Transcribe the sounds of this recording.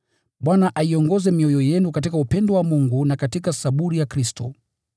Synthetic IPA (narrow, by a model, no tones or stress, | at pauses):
ɓwanaʔaiɔŋɡɔzɛmiɔjɔjɛnukatikaupɛndɔwamuŋɡunakatikasaɓuɾijakɾistɔ